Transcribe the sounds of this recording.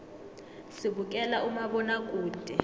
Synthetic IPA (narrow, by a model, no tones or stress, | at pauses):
siɓukʼɛlaumaɓɔnakʼuːntʼɛ